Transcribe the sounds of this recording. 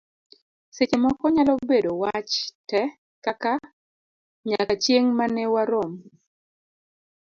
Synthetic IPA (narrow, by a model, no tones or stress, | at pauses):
set͡ʃemɔkɔɲalɔbedowat͡ʃtɛ | kaka | ɲakat͡ʃjeŋmanɛwaɾom